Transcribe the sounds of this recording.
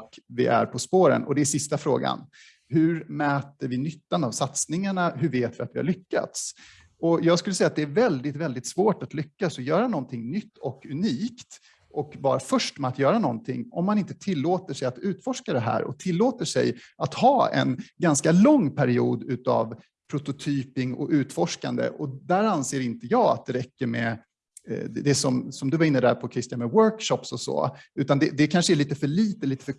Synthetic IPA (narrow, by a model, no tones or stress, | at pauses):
kvɪ̰ʔæ̰ɾpʰɔspoːɾə̰nʔɔd̪ɛæsɪst̪afɾo̰ːɡa̰n | hɵɾmɛːt̪əɾvɪnʏt̪ːanavsat̪snɪŋaɳaɦɵɾveːt̪vɪat̪vɪha̰ɭlʏkːa̰t̪s | ɔjɑːɡskɵlːəsɛjːat̪d̪ɛæɾvɛld̪ɪt̪vɛld̪ɪt̪svoːʈat̪lʏkːasɔjœːɾanɔnt̪ʰɪŋnʏt̪ːɔkɵniːkt̪ | ʔɔkvɑːɾafœʂʈmɛat̪jœːɾanɔ̰nt̪ʰɪ̰ŋːɔmːanɪnt̪ə̥t̪ʰɪlːoːt̪əʂɛjat̪ʉ̟ːt̪fɔʂkad̪ɛɦæ̰ːɾɔ̰t̪ʰɪlːoːt̪əʂɛ̰jʔat̪hɑːɛ̰nɡanskalɔŋːpʰæɾɪuːd̪ʉ̟ːt̪a̰v | pʰɾʊt̪ʊt̪ʰyːpɪŋɔ̰ʉ̟ːt̪fɔʂka̰nd̪ə̰ʔɔd̪æːɾanseːɾɪnt̪əjɑːɡa̰t̪̚d̪ɛɾɛkːəɾmɛ̰ | d̪ɛd̪ɛsɔmsɔmd̪ɵvaɪnːəd̪æːɾpʰɔkʰɾɪst̪ɪjanmɛwœɾkʃɔpsɔsɔ̰ʉ̟ːt̪and̪ɛd̪ɛkʰanʂəæɭiːt̪əfœɭiːt̪əliːt̪ə̥fœ